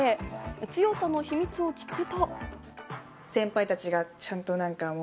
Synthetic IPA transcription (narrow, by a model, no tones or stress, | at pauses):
et͡sɨjo̞sano̞çimʲit͡sɨo̞kʲi̥kɯ̟t̪o | sẽ̞mpait̪at͡ɕiɡat͡ɕãnt̪o̞nãŋkam